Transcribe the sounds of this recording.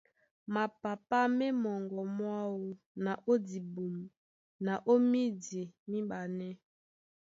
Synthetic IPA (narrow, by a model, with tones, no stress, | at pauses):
ma˨pa˨pa˦mɛ˦mɔ˨ŋɡɔ˨mwa˦wu˦ | na˨ʔo˦di˨bu˨m˨ | na˨ʔo˦mi˦di˨mi˦ba˨nɛ˦